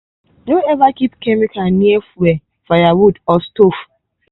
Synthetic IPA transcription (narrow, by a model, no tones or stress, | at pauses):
noɛvakipkɛmikanĩɛfuɛ | fajawudɔstof